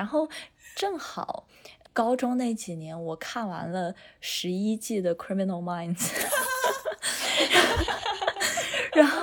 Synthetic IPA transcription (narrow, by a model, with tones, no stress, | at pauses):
a˧˥nxo˥˧ʊʈ͡ʂɤ˥˩ŋxɑ̰˨˩˦ʊkɑ˥ʊʈ͡ʂʊ˥ŋne˥˩ɪt͡ɕi˨˩njɛ˧˥nwɔ˨˩kʰa˥˩nwa̰˧˥nlə˧ʂɻ̩˧˥i˥t͡ɕi˥˩d̪ə˩kʰɹi˥mi˧nə˧˩lma˥ɪnz | ɻa˧˥nxo˥˩